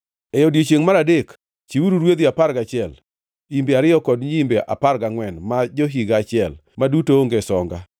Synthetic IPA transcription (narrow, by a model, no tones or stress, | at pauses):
ɛjodjet͡ʃjeŋmaɾadek | t͡ʃiuɾuɾwed̪iapaɾɡat͡ʃɪɛl | imbeaɾɪjɔkɔdɲimbeʔa̰parɡaŋwɛnmad͡ʒoɦiɡat͡ʃɪɛlmadutooŋɡesɔŋɡa